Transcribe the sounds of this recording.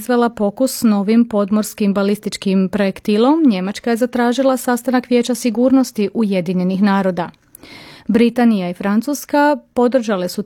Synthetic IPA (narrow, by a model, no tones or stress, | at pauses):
zʋelˠapo̞kusno̞ʋimpo̞d̪mo̞ɾskimbalist̪it͡ʃkimpɾo̞jekt̪ilˠo̞mɲe̞mat͡ʃkaje̞zat̪ɾaːʒilˠasast̪anakʋje̞t͡ɕasiɡuːɾno̞st̪iʔuje̞d̪iɲe̞nixnaːɾo̞d̪a | bɾit̪anijaifɾant̪suskapo̞d̪r̩ʒale̞su